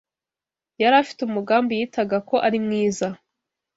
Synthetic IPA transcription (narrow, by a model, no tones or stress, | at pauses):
jaɾafi̥tumuɡaːmbijiːtʰaɡakʰo̞ʔaɾimŋiːza